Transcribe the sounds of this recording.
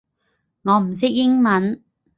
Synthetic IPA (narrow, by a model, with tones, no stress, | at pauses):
ŋɔː˨˧m̩˨˩sɪ˥k̚jɪ˥ŋmɐ˨˥n